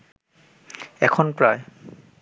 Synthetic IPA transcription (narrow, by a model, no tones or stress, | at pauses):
ɛkʰɔnpɹaj